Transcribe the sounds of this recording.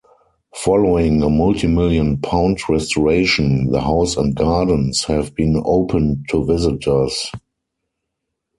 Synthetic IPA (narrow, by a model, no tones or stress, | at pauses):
fɔloɪ̃ŋəmʊltʰimɪljə̃npʰãʊ̃ntɹɛstɔɹeɪʃə̃nðə̰haʊsɛ̃nt̚ɡ̥aːdən̩shɛvbĩːnoʊpʰə̃ntʰuvɪzɪtʰə˞s